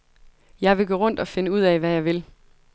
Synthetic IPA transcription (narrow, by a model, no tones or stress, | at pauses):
jɑ̈ɪʋe̝ɡ̥oːʁɔ̽n̰d̥ɒ̽fe̝nəuð̰ˠɛʋæjɑ̈ɪʋe̝l